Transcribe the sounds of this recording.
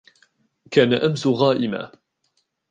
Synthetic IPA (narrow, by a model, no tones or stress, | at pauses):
kaːnaʔamsʊɣaːʔɪma̰ː